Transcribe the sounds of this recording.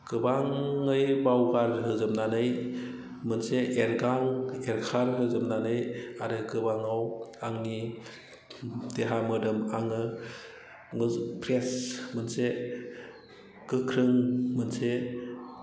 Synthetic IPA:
kɯbaŋːɯjbawɡaɾɦɯzɯmnanɯj | mɯnseʔenɡaŋeɾkʰaɾɦɯzɯmnanɯjaɾɯɡɯbaŋawaŋni | deɦamɯdɯmaŋɯ | ŋɯpʰɾesmɯnse | kɯkʰɾɯŋmɯnse

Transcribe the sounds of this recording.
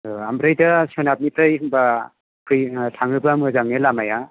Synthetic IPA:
ambɾɯjdasionap̚nipɾɯjhɯŋba | kʰɯjtʰaŋɯbamɯzaŋnelamaja

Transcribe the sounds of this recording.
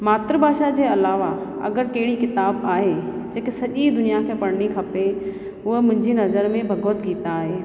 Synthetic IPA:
maːt̪ɾəbʱaːʃad͡ʑeːɐlaːʋa | ɐ̰ɡəɾkɐɦɪɽikɪt̪aːbaːɦe | d͡ʑeːkesɐʄid̪ʊnijakʰeːpɐɽ̤nikʰɐpe | ʊɦemʊ̃ɦɪ̃ɲd͡ʑinɐzəɾmẽbʱɐɡoːt̪ɡiːt̪aːɦeː

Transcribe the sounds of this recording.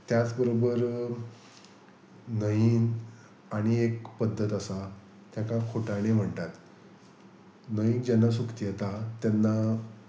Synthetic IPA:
t̪jat͡sbəɾobəɾ | nəjiːn | aɽ̃iekpəd̪ʱːət̪asa | t̪jakakʰoʈaɽ̃em̤əɳt̪at̪ | nəiːnd͡ʑɛnːasukt̪ijat̪at̪janːa

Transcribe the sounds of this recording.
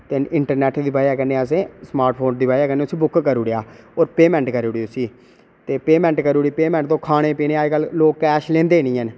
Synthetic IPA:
t̪eɪɳʈəɾnɛːʈd̪iːbaːjaːkəneːəs̬ẽːsmaːɾʈpʰoːnd̪iːbaːjaːkənːeːʊsiːbʊkkəɾuːɽejaːoːɾpeːmɛ̃ːɳʈkəɾoːɽiːʊsiː | t̪eːpeːmɛ̃ːɳʈkəɾuːɽiːpeːmɛ̃ːɳʈt̪õːkʰaːɽ̃eːpiːneːaːkəlloːkːɛːʃlẽːnd̪eːnĩːən

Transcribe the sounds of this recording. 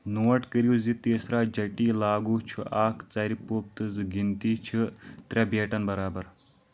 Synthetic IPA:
nuːɐʈkəɾiuzit̪eːsɾaːd͡ʒɐʈiːlaːɡuːt͡ʃʰuʔaːkt͡sɐːɾipoːp̚t̪ɨzɨɡint̪iːt͡ʃʰɨt̪ɾʲabeːʈɐnbɐɾaːbɐɾ

